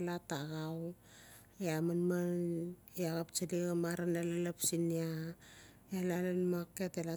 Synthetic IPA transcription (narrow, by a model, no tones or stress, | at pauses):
lataɡaw | jamanman | jaɣapt͡ʃaliɡamaɾanalalapsinia | elalanmaketela